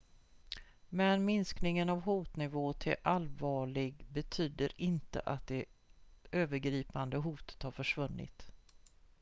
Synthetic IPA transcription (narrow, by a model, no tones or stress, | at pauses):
mɛnmɪnsknɪŋənavɦuːt̪nɪvoːt̪ʰɪ̰lʔalvɑːɭɪɡbɛt̪ʰyːd̪əɾɪnt̪ə̰ʔat̪̚d̪ɛ | øːvəɾɡɾiːpand̪əɦuːt̪ə̥t̪haɾfœʂvɵnːɪ̰t̪